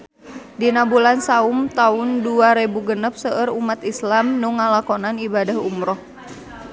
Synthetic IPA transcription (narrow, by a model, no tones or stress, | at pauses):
dinabulansaumt̪aʊnduaɾebuɡənəp̚səʔəɾumat̪islamnuŋalakɔnanibadaɦumɾɔh